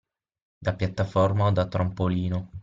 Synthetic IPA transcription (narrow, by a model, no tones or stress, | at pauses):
d̪apjat̪ːafɔrmaod̪at̪ːɾampoliːno